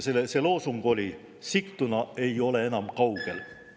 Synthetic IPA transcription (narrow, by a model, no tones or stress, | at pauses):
seseloːsuŋɡ̥o̞lʲi | sikt̪ːunɑe̞jo̞leenɑmkɑwɡ̥el